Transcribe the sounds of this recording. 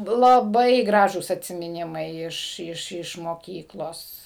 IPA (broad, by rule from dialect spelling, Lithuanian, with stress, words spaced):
lˠɐˈbɐɪ ˈɡrɑːʒuːs ɐtʲsʲɪmʲɪˈnʲɪmɐɪ ˈɪʃ ˈɪʃ ɪʃ moːˈkʲiːklˠoːs